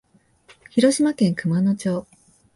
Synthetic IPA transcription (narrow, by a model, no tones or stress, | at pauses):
çiɾo̞ɕimakẽ̞ŋkɯ̟mano̞t͡ɕo̞ː